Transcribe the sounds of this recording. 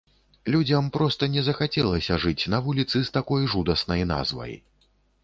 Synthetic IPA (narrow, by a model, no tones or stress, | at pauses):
lʲud͡zʲɐmpɾɔst̪ɐnʲɛzɐxat͡sʲɛlˠɐsʲɐʐɨt͡sʲnɐvulʲit̪sɨst̪akɔjʐud̪ɐsnɐjna̰zvɐ̰j